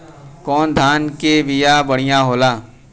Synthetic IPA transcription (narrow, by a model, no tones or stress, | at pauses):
kɔːnd̪ʱaːnkeʋɪjabɐɽ̤ɪjãɦoːlaː